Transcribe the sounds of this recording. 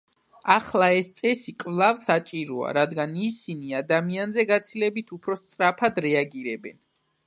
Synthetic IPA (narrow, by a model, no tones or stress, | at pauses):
aχlˠaɛst̪sʼɛsikʼvlˠavsat͡ʃʼiɾɔa̰ɾad̪ɡanisiniad̪amianzɛɡat̪sʰilɛbit̪ʰupʰɾɔst̪sʼɾapʰad̪ɾɛaɡiɾɛbɛ̰n